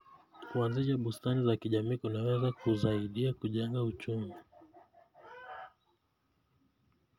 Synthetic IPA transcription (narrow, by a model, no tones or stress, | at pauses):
kuanziʃaɓustanizakiʄamiːkunawɛzakuzaiɗiakuʄaŋɡaut͡ʃumi